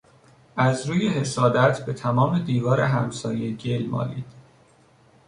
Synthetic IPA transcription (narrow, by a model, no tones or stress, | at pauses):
æzɾuːjehe̞sɒːd̪æt̪ʰbe̞t̪ʰæmɒːme̞d̪iːvɒːɾeɦæmsɒːjeɟelmɒ̰ːliːd̪̥